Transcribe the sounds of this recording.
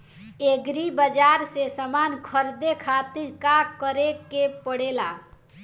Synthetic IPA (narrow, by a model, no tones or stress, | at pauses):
eɡɾibəd͡ʒaɾsesəmankʰəɾd̪ekʰat̪iɾkakəɾekepəɽela